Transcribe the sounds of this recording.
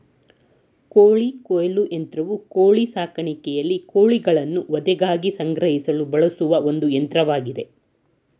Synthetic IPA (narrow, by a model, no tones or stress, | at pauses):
koːɭikoːjɐluʔent̪ɾɐʋukoːɭisaːkɐɳikɛjɐlːikoːɭiɡɐɭɐnːuʋɔd̪ɛɡaːɡisɐŋɡɾɐɦisɐlubɐɭɐsuʋɐond̪uent̪ɾɐʋaːɡid̪e̞